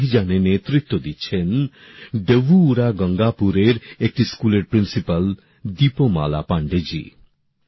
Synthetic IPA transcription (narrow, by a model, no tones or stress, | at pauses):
ɦid͡ʒanenet̪ɾit̪ːod̪itːt͡ʃʰen | ɖeʋuːɾaɡɔŋɡapuɾeɾek̚ʈiskuleɾpɾinsipal | d̪ipoma̰la̰paɳɖed͡ʒḭ